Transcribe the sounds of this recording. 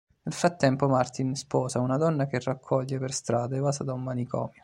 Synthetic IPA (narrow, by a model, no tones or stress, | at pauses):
nelfɾat̪ːɛmpomart̪inspɔːsaunad̪ɔnːakerakʰːɔʎːeperst̪ɾaːd̪aevaːsad̪aumːanikɔ̰ːmjo